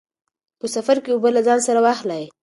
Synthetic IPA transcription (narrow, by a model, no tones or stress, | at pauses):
pəsafaɾkewobəlazɑnsaɾawɑxlaj